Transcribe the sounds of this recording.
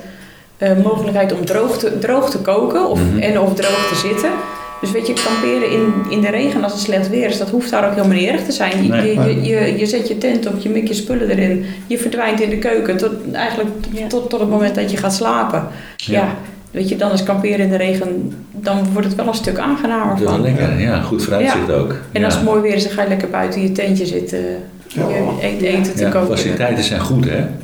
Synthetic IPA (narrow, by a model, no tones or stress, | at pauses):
əmoːxələkɦɛjtɔmdroːxtədrowxtəkoːkəɔfɛnɔfdrowxtəzɪtəd̥øs̬ʋetjəkɔmpɪəɾəɪnɪndəɾeːɣənɔsənslɛxtʋɪərsdɔthuftaːɾokɦɪəlˠmənɪːrəxtəzɛjnəəjəjəzɪtjətɛntɔfjəmɪkjəspølədəɾɪnjəfərdʋɛjntɪndəkøːkəɛ̰jɣəndləktɔtːɔtətmowmɛntdɔtjəxaːtslaːpə | ja | ʋeədɔnəskɑmpɪəɾəɪndəɾeːɣən | dɔnʋɔrtətʋɛlˠənstøka̰ːnxənaːməɹfɔə̰jaxutfrajaɪχto̰ːkɛnɔsəmojʋɪəɾɪsəxajəlɛkərbœ̰ɥtəjətɛntjəzɪt | jəeeːtəəkofasilitɛjtəsɛ̰jnχutɛ̰